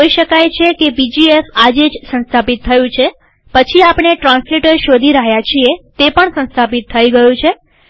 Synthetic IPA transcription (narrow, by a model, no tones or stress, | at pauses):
oiʃəkajt͡ʃʰekebid͡ʒiefad͡ʒed͡ʒsə̃nst̪ʰapit̪ʰːəjũt͡ʃʰe | pət͡ʃʰiapɳeʈɾãnsleʈəɾʃod̪ʱiɾaɦjat͡ʃʰiet̪epəɳsə̃nst̪ʰapit̪ʰːəiɡəjũt͡ʃʰe